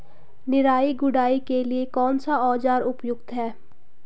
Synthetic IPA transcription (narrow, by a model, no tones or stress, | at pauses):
nɪɾaːiɡʊɖaːikeliekɔːnsaɔːd͡ʒaːɾʊpjʊɡt̪ɦɛː